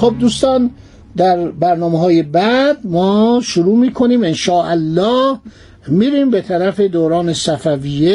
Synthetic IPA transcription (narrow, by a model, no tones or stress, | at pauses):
xob̚d̪uːst̪ɒːn | d̪æɾbæɾnɒːmeɦɒːjebæd̪mɒːʃuɾuːmiːkʰoniːmenʃɒːʔælːɒːh | miːɾiːmbe̞t̪ʰæɾæfe̞d̪oːɾɒːnesæfævije